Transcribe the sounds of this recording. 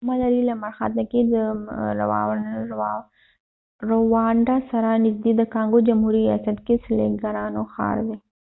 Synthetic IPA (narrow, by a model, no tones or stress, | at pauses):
mɑlaɾilamaɾxa̰t̪naked̪əɾa̰w̰ | ɾowɑɳɖasaɾanɪzd̪ed̪əkɑŋɡod͡ʒamhuɾiɾijɑ̰sat̪kesɪlḛɡaɾɑnoxɑ̰ɾd̪e